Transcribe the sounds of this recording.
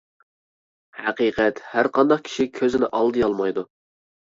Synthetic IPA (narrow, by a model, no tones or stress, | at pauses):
hɛqiqʰɛt̪hæɾqʰɑnd̪ɑqkʲʰi̥ʃikʲʰøzɪnɪʔɑlˠd̪ɨjɑlˠmɑjd̪u